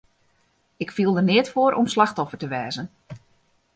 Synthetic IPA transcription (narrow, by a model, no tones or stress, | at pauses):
ɪkfilˠdərnɪətfoːɾʔɔmslaxtɔfərtəʋɛːzən